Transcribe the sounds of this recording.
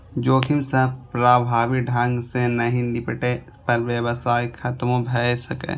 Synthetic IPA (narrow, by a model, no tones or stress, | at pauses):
d͡ʒoːkʰimsəbpɾaːbʱaːʋiɖʱə̃ŋɡsenəɦĩnɪpʈe | pəɾʋjəwsaːikʰɐt̪mõbʱɛsəkḛ